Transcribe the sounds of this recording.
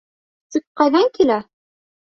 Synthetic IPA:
t̪ik̚qɑjðɑŋkilæ

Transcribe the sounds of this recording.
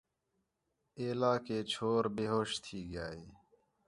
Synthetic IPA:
eːlaːkeːt͡ɕʰoːɾbeːɦoːʃt̪ʰiːɡjaːiː

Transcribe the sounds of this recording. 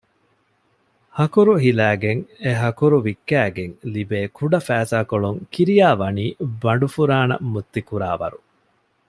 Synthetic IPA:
hɐkuɾuɦilæːɡeŋeɦɐkuɾuʋikːæːɡeŋlibeːkuɖɐfæːsaːkoɭuŋkiɾijaːʋɐniːbɐɳɖufuɾaːnɐ̰mut̪ːikuɾa̰ːʋɐ̰ɾu

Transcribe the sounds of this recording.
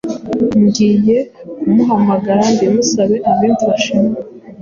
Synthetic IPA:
mɡiːje̞umuɦamaɡaɾanbimusaβe̞ʔaβiːntiβaʃime

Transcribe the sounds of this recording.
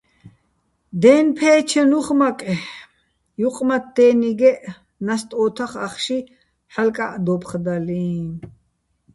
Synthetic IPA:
d̪ɛːnpʰɛːt͡ʃʰɛnuχmakʼɛ | juqʼmat̪̚d̪̥ɛːniɡɛʔ | nast̪ʼɔːt̪ʰaχaχʃi | ħalkʼaʔd̪ɔpχd̪aliːn

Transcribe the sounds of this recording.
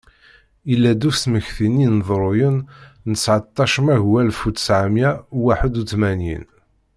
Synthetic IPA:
ilːæd̪usməçθininðˤɾˤʊjənnəsʕət̪ˤːɑʃəmæʝwælfut̪sʕamjæwaħəd̪uθmænjḭn

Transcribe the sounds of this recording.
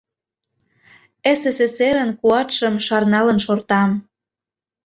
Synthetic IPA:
eseseseɾə̆nkuɑt̪ʃə̆mʃɑrnɑlə̆nʃort̪ɑm

